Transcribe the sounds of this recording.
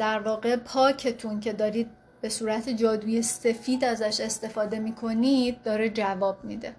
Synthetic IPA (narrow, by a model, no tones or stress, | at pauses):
d̪̥æɾvɒːɣe̞pʰɒːcʰe̞t̪ʰuncʰe̞d̪ɒːɾiːd̪̚ | be̞suːɾæt̪ʰed͡ʒɒːd̪uːje̞se̞fiːd̪æzæʃe̞st̪e̞fɒːd̪e̞miːkʰo̞niːd̪̚ːɒːɾed͡ʒævɒːb̥miːd̪e̞